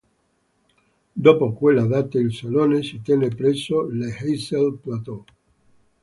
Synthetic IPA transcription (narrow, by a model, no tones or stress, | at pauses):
d̪opokwelaðat̪eːlsolonesit̪jenepɾesolehejselplat̪o